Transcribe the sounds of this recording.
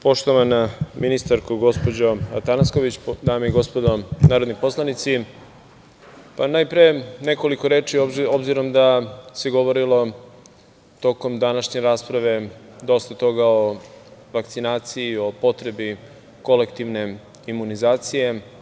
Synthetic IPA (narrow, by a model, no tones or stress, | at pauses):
po̞ʃt̪oʋanaminist̪aɾkuɡo̞spod͡ʑoat̪anaskoʋit͡ɕd̪aːmeiɡo̞spo̞d̪o̞naːɾod̪nipo̞slˠanit̪si | panajpɾijene̞ko̞liko̞ɾeːt͡ʃiobziɾo̞md̪aseɡo̞ʋoɾilo̞ | t̪o̞ko̞md̪anaʃɲe̞ɾaːspɾaʋe̞d̪o̞st̪at̪o̞ɡao̞ʋakt̪sinaːt̪sijio̞po̞t̪ɾe̞bi | ko̞le̞kt̪iʋne̞ | imunizaːt̪sije̞